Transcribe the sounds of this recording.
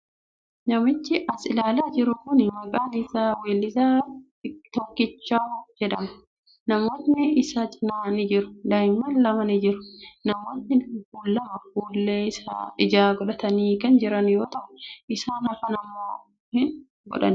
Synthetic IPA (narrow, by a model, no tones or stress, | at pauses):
nɐmɪt͡ʃːɪʔɐsɪlaːlaːd͡ʒɪɾʊkʊnmɐkʼaːnɪsaːweːlːɪzaː | t̪ɔkːɪt͡ʃːaːd͡ʒɛᶑɐmɐ | nɐmoːt̪nɪɪsaːt͡ʃʼɪnaːnɪd͡ʒɪɾʊ̥dɐjmːɐnlɐmɐnɪd͡ʒɪɾʊ̥nɐmoːnːɪɡuːlːɐmɐɡuːlːeːɪsa̰ːɪd͡ʒaːɡɔᶑɐt̪ɐniːkɐnd͡ʒɪɾɐnjoːt̪ɐʔʊ̥ɪsaːnhɐfɐnɐmːoː | hɪn | ɡɔ̰ᶑɐ̰n